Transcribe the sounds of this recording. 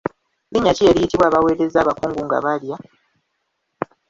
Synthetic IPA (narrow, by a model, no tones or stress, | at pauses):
liɲːacieɾijitiβwaːβawe̞ːɾe̞zaːβakuːŋɡuŋɡa̰βalja